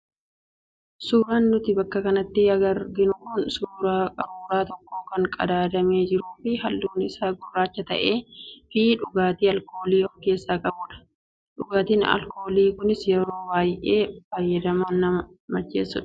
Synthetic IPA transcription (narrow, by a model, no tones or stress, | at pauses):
suːɾaːnːʊt̪ɪbɐkːɐkɐnɐt̪ːɪɐɡɐɾɡɪnʊkʊnsuːɾaːkʼɐɾuːɾaːt̪ɔkːo̞ːkɐŋkʼɐ̰d̪aːd̪ɐme̞ːd͡ʒɪɾuːfɪhɐlːuːnɪsaːɡʊrːaːt͡ʃːɐt̪ɐ̰ʔe̞ːfɪᶑʊɡaːt̪iːɐlko̞ːliːoŋkeːsːaːkʼɐbuːᶑɐ̥ | ᶑʊɡaːt̪iːnɐ̰lko̞ːliːkʊnɪsjɛɾo̞ːwaːjʔeːfɐjːɐd̪ɐmɐnːɐɐ | mɐt͡ʃːḛːsːʊᶑɐ̥